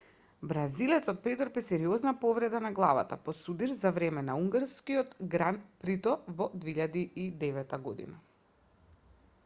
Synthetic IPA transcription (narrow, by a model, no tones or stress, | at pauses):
bɾazilɛt̪sɔt̪̚pɾit̪ɾpisɛɾiɔznapovɾɛd̪anaɡlˠava̰t̪a̰pɔsud̪iɾzavɾɛmɛnauŋɡaɾskiɔt̪ɡɾanpɾit̪ɔvɔd̪viiʎad̪iid̪ɛvɛt̪aɡod̪ḭna